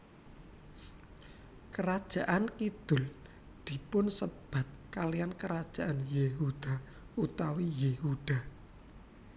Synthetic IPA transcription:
kəɾad̥ʒ̥a̤ʔankid̪̥ʊ̤l | d̪̥i̤pʊnsəb̥a̤t̪̚kalijankəɾad̥ʒ̥a̤ʔanjeɦud̪̥a̤ | ut̪awijehud̪̥a̤

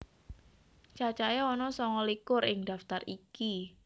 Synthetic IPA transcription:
t͡ʃat͡ʃajaɔnɔsɔŋɔlikʊrɪŋd̪a̤ft̪ariki

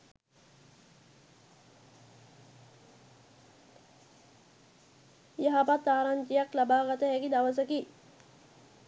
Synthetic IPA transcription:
jaɦapat̪ːaːɾaɲd͡ʒijaklabaːɡat̪əɦɛkid̪aʋəs̬əki

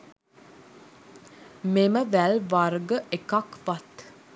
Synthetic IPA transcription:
meməʋælʋarɡəʔekakʋat̪

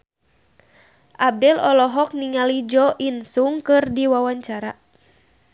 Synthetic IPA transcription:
ʔab̚dɛlɔlɔɦɔk̚niŋalid͡ʒɔʔinsuŋkɨrdiwawaɲt͡ʃaɾa

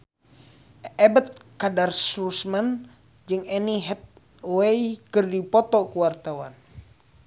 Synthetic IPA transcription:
ɛbət̪̚kadarsusman | d͡ʒɨŋɛniɦɛt̪̚ | wejkɨrdipɔt̪ɔkuwart̪awa̰n

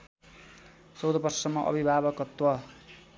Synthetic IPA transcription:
sowd̪ʌpʌrsʌmːʌʔʌ̰bʱibʱabʌkʌt̪wʌ

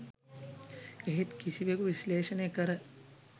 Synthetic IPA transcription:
eɦet̪kisibekuʋisleːʃənekɐɾɐ

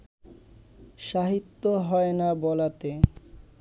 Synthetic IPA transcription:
ʃaɦit̪ːoɦɔenabɔlat̪e

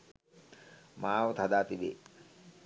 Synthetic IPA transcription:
maːʋət̪ad̪aːt̪iʋḛː

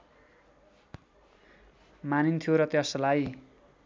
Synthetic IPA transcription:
manint̪ʰijoɾʌt̪jʌslaj

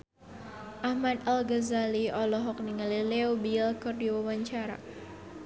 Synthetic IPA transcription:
ʔahmad̪alɡazaliɔlɔɦɔk̚niŋalileobilkɨrdiwawaɲt͡ʃaɾa̰

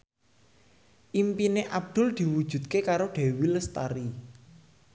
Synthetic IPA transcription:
ʔimpineʔab̚d̪̥ʊ̤ld̪̥i̤wu̥ʒ̥ṳd̪̚kekaɾoɖ̪̥e̤wiləst̪a̰ɾi

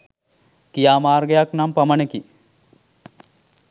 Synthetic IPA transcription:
kijaːmaːrɡejaknampaməneki

